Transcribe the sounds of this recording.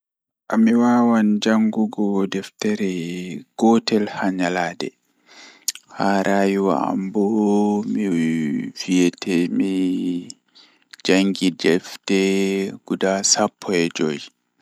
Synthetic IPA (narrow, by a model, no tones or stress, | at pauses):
ʔamiwaːwand͡ʒaŋɡuɡɔdɛftɛɾɛɡ̥ɔtɛlhaɲalaːdɛ̰ | haɾʔajuwa̰a̰mbɔmifijɛtʰɛmi | d͡ʒaŋɡidɛftɛɡ̥udasapʰːɔɛd͡ʒo̰j